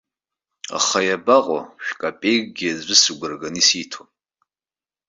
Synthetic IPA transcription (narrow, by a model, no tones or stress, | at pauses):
a̰χajabaqʼɔ̰ʃᶣkʼapʼejɡʷʼɡʲiazʷɨsɨɡʷɨrɡanisiːtʰon